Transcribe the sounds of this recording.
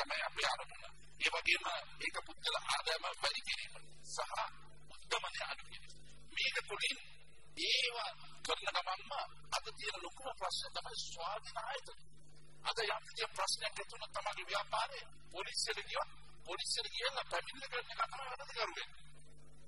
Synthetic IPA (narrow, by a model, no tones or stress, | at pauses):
t̪ɐmɐjɐpejaːɾɐmunːa̰ | eːʋɐɡeːmə | eːkəpud̪ːɐlɐʔaːd̪ɐjɐmɐʋɐlikenḛːpɐ | sɐɦɐ | ud̪ːɐmɐneɐnukkeni | meːkɐkoɽin | eːʋa | kəɾnɐɡɐmaŋmə | ɐd̪ɐt̪ijɐnɐlokumɐpɾɐsnejɐt̪ɐmɐjsʋaːd̪inaːjɐt̪ɐk̪ | ɐ̰d̪ɐjap̪ud̪ijɐpɾɐsnejakːɛt̪unːɐt̪ɐmaːɡeʋijaːpaːɾe | polisijɐlɐɡijʋɐt̪̚ | polisijɐlɐɡijʋelːɐpæminːɐkɐɾnekat̪ɐmɐɡɐnːɐt̪ɐkɐɾuɡɛnːi